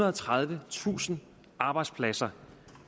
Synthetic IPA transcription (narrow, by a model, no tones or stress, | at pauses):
ɐðˠɒt͡sʰʁɑð̞ˠʋət͡sʰṵːsn̩ | ɑ̈ːb̥ɑ̈ɪd̥spʰlæsɐ